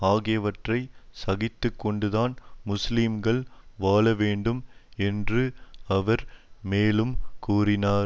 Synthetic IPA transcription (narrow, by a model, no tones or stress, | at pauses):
aːɣeːʋɐʈrɐɪsɐɣɪt̪ːɯkːɔɳɖɯðaːnmʊslɪmɡɐɭʋaːlɐʋeːɳɖɯmɛndrɯɐʋɐɾmeːlɯmkuːrɪnaː